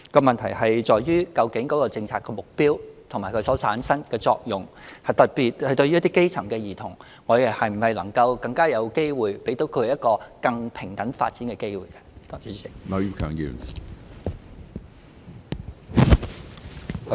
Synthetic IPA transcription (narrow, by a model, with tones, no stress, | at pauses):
kɔː˧mɐ˨nt̪ʰɐ˨˩jɐ˨jt͡ʃɔː˨˩jɥyː˥kɐ˧wkɪ˨˥ŋkɔː˨˥kɔː˧t͡sɪ˧ŋt͡sʰaː˧kːɛː˧mʊ˨k̚piː˥wt̪ʰʊ˨˩ŋmaː˨jkʰɵ˨˧˥sɔː˨˥t͡sʰa̰ː˨˥nsɐ˥nkɛː˧t͡sɔ̰ː˧k̚jʊ˨ŋhɐ˨˩jt̪ɐ˨˩t̚piː˨t̚hɐ˨jt̪ɵ˧ɥy˥t̪i˥ke˥jt͡sʰɐ˨˩ŋkɛː˧jiː˨˩t̪ʰʊ˨˩ŋ | ɔː˨˧˥jɛ˨˩hɐ˨jm̩˨˩hɐ˨jlɐ˨˩ŋkɐ˧wkɐ˧ŋkaː˥jɐ˨˧wke˥jwuː˨˩jpe˨˥jt̪o˨˥wkʰɵ˨˧hjɐ˥t̚kɔː˧kɐ˧ŋpʰɪ˨˩ŋt̪ɐ˨˥nfa̰˧t̚t͡siː˨˥nkɛː˧ke˥jwuː˨˩jkɛ˧t̪ːnɔ˨˧y˧˥kʰœː˨˥ŋjḭ˨˧w